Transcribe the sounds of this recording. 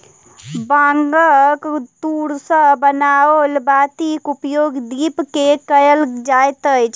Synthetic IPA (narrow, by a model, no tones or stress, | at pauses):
baŋɡəkt̪uɾsə̃bənaolbat̪ikupjoɡd̪ipkekəjəld͡ʒajt̪əjt͡ʃʰ